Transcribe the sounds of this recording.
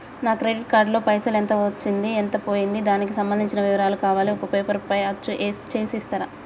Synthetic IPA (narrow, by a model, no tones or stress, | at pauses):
naːkɾeɖiʈ̚kaːɾɖloːpɐjsɐlent̪ɐɐt͡ʃːind̪ient̪ɐpo̞ːjind̪id̪aːnik̬isɐmbɐnd̪ʱiɲt͡ʃinɐʋiʋɐɾaːlukaːʋaːliɔkɐpeːpɐɾpɐjɐt͡ʃːuʔet͡ʃeːsist̪ɐɾɐ